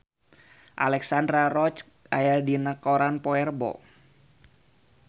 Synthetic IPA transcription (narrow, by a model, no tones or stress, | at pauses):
ʔa̰lɛksandɾarɔt͡ʃ | a̰jadinəkɔɾanpɔɛrbɔ̰